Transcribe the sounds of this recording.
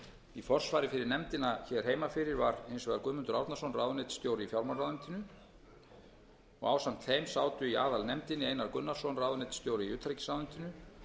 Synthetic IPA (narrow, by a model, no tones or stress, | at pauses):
ifɔr̥svaːjɾɪfɪɾɪɾnɛmt̪ɪnaçɛɾ̥ɦeːjmafɪɾɪɾvaɾejnsvɛðaɾkʏːmʏnt̪ʏɾawɾt̪nḁsownrawðʏnet̪st̪joːwɾɪifjawɾmanrawðʏnt̪ɪnʏ | ɔ̰ɣa̰ːwsamt̪θejmsaːwt̪ʏiaːðalnɛmt̪ɪnɪeːjnaɾkʏnːaɾ̥sɔnraːwðʏnet̪st̪joːwɾɪiʏːt̪ʰɾecɪ̥sawʏnt̪ɪnʏ